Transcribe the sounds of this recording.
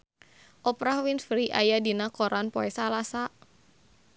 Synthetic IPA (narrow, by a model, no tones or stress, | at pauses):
ʔɔpɾahwinfɾiʔa̰jadinakɔɾʔanpɔɛsalasa